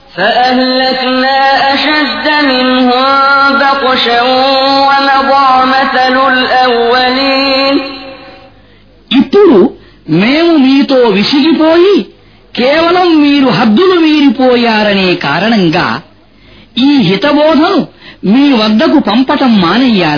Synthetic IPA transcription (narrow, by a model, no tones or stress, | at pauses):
sɐʔɐɦlɐknaːʔɐʃɐd̪ːɐmɪnɦʊmd̪ɐkɔʃɐwɐnɐb̪ɑːmɐθɐlʊlʔɐwːɐliːn | ipːuɽu | meːmumiːt̪oːʋisiɡipoːji | kɛːʋɐlɐmːiːɾuɦɐd̪ːuluʋiːɾipɔːjaːɾɐneːkaːɾɐɳɐŋɡa̰ː | iːɦit̪ɐbɔːd̪ʱɐnumiːʋɐd̪ːɐkupɐmpɐʈɐmːaːnɐjːaːli